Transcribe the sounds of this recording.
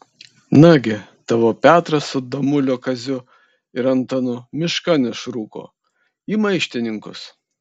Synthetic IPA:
nɑɡʲɪ | t̪ɑːʋoːpʲæːt̪ɾɐsʊd̪ɐmʊlʲoːkɐzʲʊ | ɪɾɐnt̪ɐnʊmʲɪʃkɐnʲɪʃɾuːko̰ː | imɐɪʃʲt̪ʲɪnʲɪŋkʊ̰s

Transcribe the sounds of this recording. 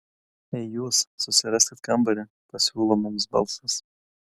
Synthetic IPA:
ɛjjuːsːʊsʲɪɾasʲɪt̪kambɐɾʲɪ | pɐsʲuːlˠɔmums̬bɑ̰lˠsɐs

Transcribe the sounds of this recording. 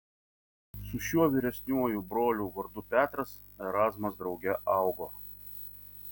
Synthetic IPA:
sʊʃʲuɔʋʲiːɾʲɛsʲnʲuɔjubɾoːlʲuːʋɐɾd̪ʊpʲæːt̪ɾɐs | ɛɾɑːzmɐsd̪ɾɒʊɡʲɛʔɑˑʊɡoː

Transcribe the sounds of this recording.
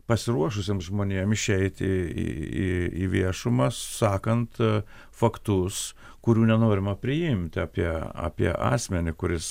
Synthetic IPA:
pɐsʲɪɾuɔʃʊsʲeːmsʒmoːnʲeɛmɪʃʲɛɪt̪ʲɪḭḭḭʋʲiɛʃʊmɐssɑːkɐnt̪ | fɐkt̪ʊs | kʊɾʲuːnʲɛnoːɾʲɪmɐpʲɾʲɪjɪmʲt̪ʲɑːpʲiɛɑ̰ːpʲiɛ̰ʔɑ̰ːsʲmʲɛnʲɪkʊɾʲɪs

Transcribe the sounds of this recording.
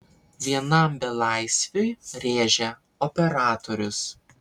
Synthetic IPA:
ʋʲiɛnɐˑmbʲɛlˠɑˑɪsʲʋʲoɪɾʲeːʒʲɛ | ɔpʲɛɾɑːt̪ɔɾʲʊs

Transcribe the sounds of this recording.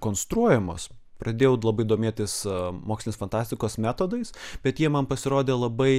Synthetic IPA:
koːnst̪ɾuɔjɛmo̰ːs | pɾɐd̪ʲeːjɛʊlˠɐbɐɪd̪oːmʲeːt̪ʲɪsmoːksʲlʲɪnʲesfɐnt̪ɑːsʲt̪ʲɪkoːsmʲæːt̪oːd̪ɐɪsbʲɛt̪jiɛmɐnpɐsʲɪɾoːd̪ʲeːlˠɐbɐɪ

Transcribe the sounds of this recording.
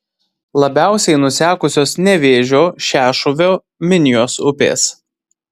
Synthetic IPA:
lˠɐbʲæˑʊsʲɛɪnʊsʲæːkʊsʲoːsnʲɛʋʲeːʒʲoːʃʲæːʃʊʋʲoː | mʲɪnʲɪjoːsʊpʲḛːs

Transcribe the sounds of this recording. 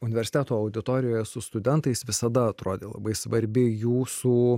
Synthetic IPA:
ʊnʲɪʋʲɛɾʲsʲɪt̪ʲæːt̪oːɐʊd̪ʲɪt̪oːɾʲɪjoːjɛsʊst̪ʊd̪ʲɛnt̪ɐɪsʋʲɪsɐd̪ɐɐt̪ɾoːd̪ʲeːlˠɐ̰bɐɪsʋɐɾʲbʲɪjuːsuː

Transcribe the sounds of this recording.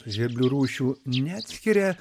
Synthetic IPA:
ʒʲɛbʲlʲuɾuːʃʲuːnʲæːt̪ʲsʲkʲiɾʲɛ

